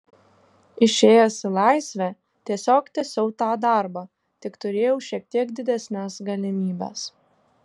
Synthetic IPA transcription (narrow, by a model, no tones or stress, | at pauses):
ɪʃʲeːjɛsʲɪlˠɑˑɪsʲʋʲæ | t̪ʲiɛsʲoːkt̪ʲɛsʲɛʊt̪ɑːd̪ɑˑɾbɑː | t̪ʲɪkt̪ʊɾʲeːjɛʊʃʲiɛk̚t̪ʲiɛkd̪ʲɪd̪ʲɛsʲnʲæːsɡɐlʲɪmʲiːbʲæ̰s